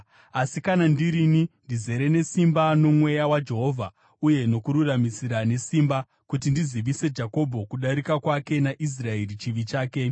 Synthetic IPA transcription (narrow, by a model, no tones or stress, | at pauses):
asikanandiɾinindize̞ɾe̞ne̞simbano̞mwe̞jawad͡ʒe̞ɦo̞ːvʱa | uje̞no̞kuɾuramisiɾane̞simba | kutindiziʋise̞d͡ʒako̞bʱo̞kuɗaɾikakwake̞naʔis̬rae̞ɾit͡ʃiʋit͡ʃaːke̞